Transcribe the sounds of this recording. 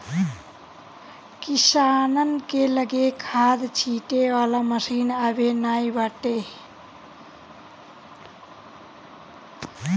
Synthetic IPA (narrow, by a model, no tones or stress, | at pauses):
kisanənkeləɡekʰad̪t͡ʃʰiʈewalaməsinabenajbaʈe